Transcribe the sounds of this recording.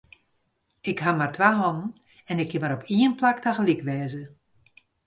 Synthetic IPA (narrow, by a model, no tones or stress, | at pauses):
ɪkhamartʋaːɦɔnən̩ | ɛnɪkʰːɪmaɾɔpʰiənplaktaxəlɪkʋɛːzə